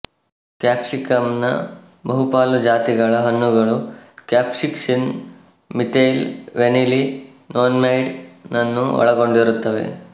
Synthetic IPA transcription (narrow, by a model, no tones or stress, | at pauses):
kjaːpsikɐmnɐ̰ | bɐɦupaːlud͡ʒaːt̪iɡɐɭɐɦɐnːuɡɐɭukjaːpsiksin | miʈejlʋenili | noːnmɐjɽnɐnːuɔ̰ɭɐɡo̞ɳɖiɾut̪ːɐʋe̞̰